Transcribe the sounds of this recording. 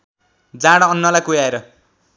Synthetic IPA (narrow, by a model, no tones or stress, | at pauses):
d͡zãɽʌːnːʌlajkujaeɾʌ